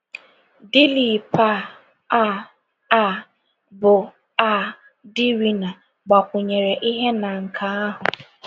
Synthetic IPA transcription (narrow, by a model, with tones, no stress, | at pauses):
dɪ˦li˨pʰa˦˨ | a˦˨ | a˦˨ | bʊ˨ | a˦ | dɪ˦ɾi˨na˨ | ɡ͡ba˨kʷʊ˨ɲe˨ɾe˨ʔi˦ɦe˦na˨ŋ̩˨kʰa˨a˦ɦʊ˨